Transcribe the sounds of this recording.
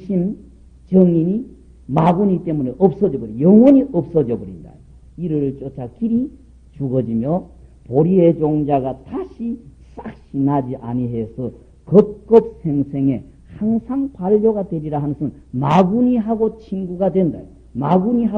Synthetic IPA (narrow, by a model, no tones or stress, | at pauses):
ɕʰin | t͡ɕʌŋiɲi | maɡuɲit͈e̞muneʔʌp̚s͈ʌd͡ʑʌbʌɾijʌŋwʌɲiʔʌp̚s͈ʌd͡ʑʌbʌɾinda̰jo | iɾɯɾɯɭt͡ɕ͈ot͡ɕʰak͈iɾi | t͡ɕuɡʌd͡ʑimjʌpoɾie̞d͡ʑoŋd͡ʑaɡataɕʰi | s͈ak̚ɕ͈inad͡ʑiʔa̰ɲiɦe̞sʰʌ | kʌp̚k͈ʌp̚sʰe̞ŋsʰe̞ŋe̞ | haŋsʰaŋpaʎːoɡadweɾiɾaɦanɯsʰɯn | maɡuɲiɦaɡot͡ɕʰiŋɡuɡadwe̞nda̰jo | maɡuɲiɦa